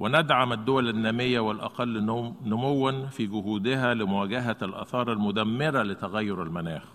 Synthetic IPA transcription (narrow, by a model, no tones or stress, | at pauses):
wɪnæd̪ʕamad̪ːʊwælanːæːmɪjːawɪlʔɑ̰qɑlːnʊmowːanfiːɡʊhuːd̪ɪɦælɪmʊwæːɡaɦælʔɑ̰θɑːɾˤalmʊd̪æmːɪɾalɪt̪æɣæjːʊɾalmanæːx